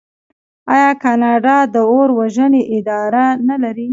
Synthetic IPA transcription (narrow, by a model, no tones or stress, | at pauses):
ɑjɑkɑnɑɖɑd̪əoɾwaʒəneʔɪd̪ɑɾanalaɾi